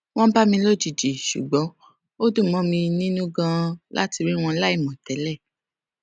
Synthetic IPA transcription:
w̃ɔ̃˦ba˦mĩ˧lo˦˨d͡ʒi˨d͡ʒi˨ʃṵ˨ɡ͡bɔ̃˨˦ | o˦dũ˦˨mɔ̃˨˦mĩ˧nĩ˦nũ˦ɡã˧la̰˦ti˧ɾi˦w̃ɔ̃˧˦la˦i˦˨mɔ̃˨tɛ˨˦lɛ˦˨

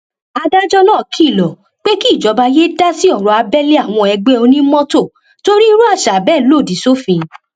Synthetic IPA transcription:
a˧da˦d͡ʒɔ˦nãː˦˨kʰi˦˨lɔ˨ | k͡pe˦ki˦˨d͡ʒɔ˨˦ba˧je˦da˦si˦ɔ˦˨ɾɔ˨a˧bɛ˦le˦a˦˨w̃ɔ̃˧ɛ˧ɡ͡be˦o˧nĩ˦mɔ̃˦to˦˨ | to˦ɾi˦˧˦ɾu˦a˦˧ʃa˨bɛː˦˨˦lo˦˨di˨˦so˦fĩ˧

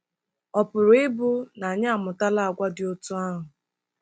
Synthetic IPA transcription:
ɔ˨pʊ˨ɾʊ˨ɪ˦bʊ˦na˨a˨ɲa˦a˦˨mʊ˨ta˦la˦a˨ɡʷa˦dɪ˨o˦tu˦a˦ɦʊ˨

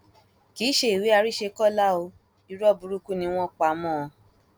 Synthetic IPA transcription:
ki˨˦ʃe˦i˨we˨˦a˧ɾi˦ʃe˧kɔ˦˨la˦o˧ | i˧ɾɔ˦˨bu˧ɾu˦ku˦nĩ˧w̃ɔ̃˦k͡pa˨˦mɔ̃ː˦˨˧

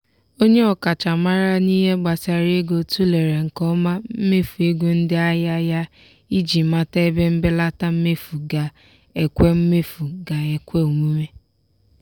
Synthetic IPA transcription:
o˦ɲe˦ɔ˨ka˨t͡ʃa˨ma˦ɾa˦ni˦ɦe˦ɡ͡ba˨sa˨ɾe˦ɡo˨tu˦le˨ɾe˨ŋ̩˨kɔ˦ma˦m̩˦me˦fu˨e˦ɡʷu˦n̩˦dɪ˦a˦ja˦ja˦ | i˦d͡ʒi˨ma˦ta˦e˦be˦m̩˦bɪ˦la˦ta˦m̩˦me˦fu˨ɡa˨ | e˨kʷe˦m̩˦me˦fu˨ɡa˨e˨kʷe˦u˨mu˦me˦

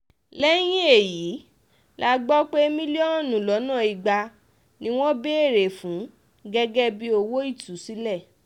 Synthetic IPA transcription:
lɛ˦j̃ĩ˦e˦˨jiː˨˦ | la˦˧ɡ͡bɔ˦k͡pe˦mĩ˦li˦ɔ˦˨nũ˨lɔ˨˦nãː˦˨i˨ɡ͡ba˧ | nĩ˦w̃ɔ̃˦be˦e˦˨ɾe˨fũ˨˦ | ɡɛ˧ɡɛ˦bi˦o˧wo˦i˦˨tu˨˦si˨˦lɛ˦˨

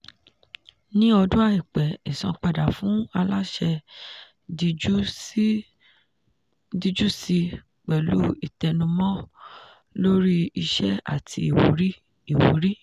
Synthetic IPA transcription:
nĩ˦ɔ˧dũ˦a˦˨i˨k͡pɛ˨i˨sɔ̰̃˧k͡pa˧˨da˨fũ˦a˧la˦ʃɛ˧ | i˧˦ | di˧d͡ʒu˦si˧ | k͡pɛ˨lṵ˦i˦˨tɛ˧nũ˧mɔ̃˦ | lo˦ɾi˦i˧ʃɛ˦a̰˦˨tʰi˧i˨wo̰˨˦ɾi˦ | i˦˨wo̰˨˦ɾi˦

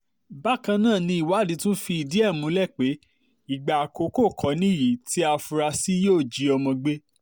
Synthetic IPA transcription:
ba˦kã˧nãː˦˨nĩ˧˦i˨wa˨˦˨dĩ˧˦tũ˦fi˧i˧di˦ɛ˦˨mũ˨˦lɛ˦˨k͡pe˨˦ | i˨ɡ͡ba˨ko˨˦ko˦˨kʰɔ˨˦nĩ˦˨ji˨˦ti˦a˧fu˧ɾa˧si˦joː˦˨d͡ʒi˨˦ɔ˧mɔ̃˧ɡ͡be˦

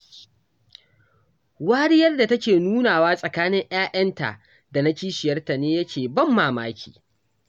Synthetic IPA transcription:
waː˦ɽɪ˦jɐ˦rda˨tɐ˦kʲeː˨nuː˦naː˨waː˦sʼɐ˨kaː˦nɪ˦ŋʔj̰aː˦ʔɐ˦nta̰˨ʔ | da˨na˦kʲiː˦ʃɪ˨jɐ˦rta˨neː˦jɐ˦kʲʰeː˨bɐ˦mːaː˨maː˦kʲʰi̥̰ː˨

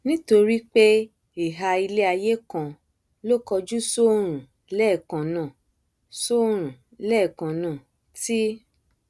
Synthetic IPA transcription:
nĩ˦to˧ɾi˦k͡pe˦ | i˨ɦa˧i˧le˦a˧je˦kã˨ | lo˦kɔ˧d͡ʒu˦so˦ɾ̃ũ˨ | lɛ˦˨kã˨nã˨ | so˦ɾ̃ũ˨ | lɛ˦˨kã˨nã˨ | ti˦

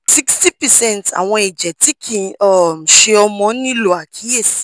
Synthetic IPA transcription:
si˦ksti˦pɛ˨sɛ̃˦˨nta̰˨w̃ɔ̃˧ɛ˨d͡ʒɛ˨ti˦kʰĩ˨ɔ˦˨m̩˨ʃe˧ɔ˧mɔ̃˨˦nĩ˦lo˨a˨kʰi˨˦e˦˨si̥˨

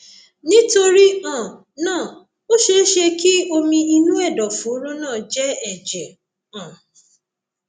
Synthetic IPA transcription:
nĩ˦to˧ɾi˦ã˦˨ | nãː˦˨ | o˦ʃe˦ʃe˧ki˦o˧mĩ˧i˧nũ˦ɛ˦˨dɔ˨fũ˨˦ɾũ˦nãː˦˨d͡ʒɛ˦ɛ˦˨d͡ʒɛ˨ | ã˨

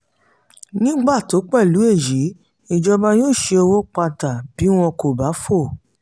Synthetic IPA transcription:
nĩ˦ɡ͡ba˦˨to˨˦k͡pɛ˦˨lu˨˦e˦˨ji˨˦ | i˧d͡ʒɔ˧ba˧joː˦˨ʃe˧o˧wo˦k͡pa˧ta˨b̥i˨˦w̃ɔ̃˧ko˨ba˨˦fo˦˨

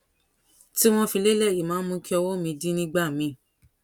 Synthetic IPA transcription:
ti˦w̃ɔ̃˧fi˧le˦lɛ˦˨ji˨mãː˨˦mũ˧˦˧ki˦ɔ˧wo˦mĩ˧di˦nĩ˦ɡ͡ba˦˨mĩ˧˦

